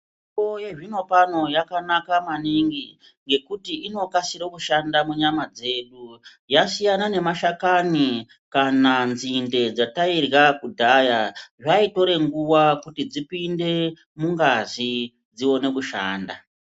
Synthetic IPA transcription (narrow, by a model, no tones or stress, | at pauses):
iojeʐino̞pano̞jakanakamaniŋɡi | ŋɡe̞kutiino̞kasiɾokuʃandamuɲamad͡ze̞ɗu | jasijanane̞maʃakani | kananzinde̞d͡zatairɣakudʱajaʐaito̞ɾe̞ŋɡuwakutid͡zipinde̞ | muŋɡazi | d͡ziwo̞ne̞kuʃaːnda